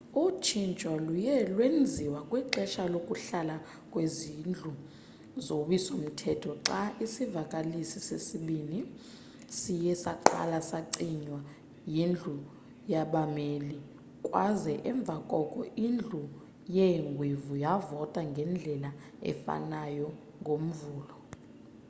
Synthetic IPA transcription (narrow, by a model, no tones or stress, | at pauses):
ut͡ʃʰint͡ʃʼɔlujɛlwend͡zʱiwakʼwiǃɛʃalokʼuɬala | kʼwezind͡ɮʱu | zowisom̩tʰɛtʰɔǁaʔisivakʼalisisesiɓini | sijɛsaǃa̰lasaǀiɲwa | jind͡ɮʱu | jaɓameːli | kʼwazɛʔɛɱb̪vʱakʼɔkʼɔ̰ʔind͡ɮʱu | jɛŋɡʱwivujavɔtʼaŋɡʱɛnd͡ɮʱɛla | ɛ̰fa̰najɔ | ŋɡʱom̩vuːlɔ